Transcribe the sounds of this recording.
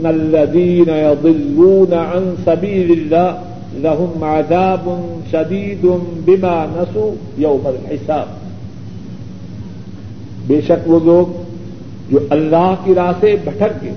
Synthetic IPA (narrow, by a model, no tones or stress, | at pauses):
nɐlːɐðiːnɐjɑd̪ˤɪlːuːnaʕansɐbiːlɪlːaː | lɐɦʊmʕaðaːbʊnʃɐd̪iːd̪ʊnbɪmaːnɐsuː | jɐwmɐlħɪsaːb̚ | beːʃɐkʋoːloːɡ | d͡ʒoːʔɐlːaːɦkiɾaːsebʱɐʈʰək̚ɡe